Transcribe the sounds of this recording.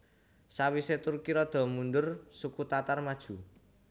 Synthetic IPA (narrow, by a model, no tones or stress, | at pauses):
sawiset̪urkiɾɔd̪̥ɔ̤mund̪ʊrsukut̪at̪armad̥ʒ̥ṳ